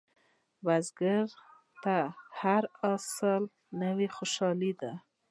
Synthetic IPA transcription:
bazɡɪɾ | t̪ahaɾasəl | nawexoʃɑlid̪a

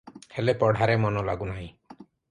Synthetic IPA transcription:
helepɔɽ̤ʱaɾemɔnɔla̰ɡunaɦĩ

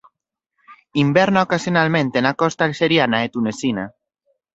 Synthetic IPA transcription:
imbɛɾnaokasjonalmẽnt̪enakɔst̪alseɾjanaet̪unesina

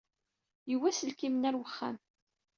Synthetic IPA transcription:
jəwːæsəlkimnæɾwəχːæ̰m

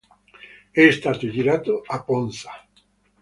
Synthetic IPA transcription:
ɛst̪at̪od͡ʒiɾat̪oaponsḁ

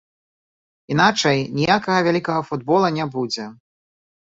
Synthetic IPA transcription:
inat͡ʂɐjnʲijakɐɣɐvʲalʲikɐɣɐfud̪bɔlˠɐnʲɛbud͡zʲɛ

